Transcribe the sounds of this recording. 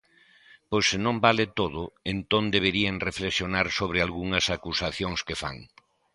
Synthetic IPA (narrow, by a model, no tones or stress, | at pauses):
pojsːenõmbalɪt̪oðʊent̪ond̪eβeɾieŋreflesjonaɾsoβ̞ɾɪalɣuŋɐsakusaθjoŋskefa̰ŋ